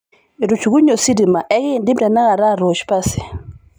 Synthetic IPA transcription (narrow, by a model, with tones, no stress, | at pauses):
e˨ɾu˨t͡ʃu˨ɣu˦ɲo˨si˦ɾi˨ma˨ʔɛ˦ɣɪ˦˨ndɪ˦mda˨na˦ɣa˨ɾa˦˨ɾo˨t͡ʃpa˦sɪ̥˨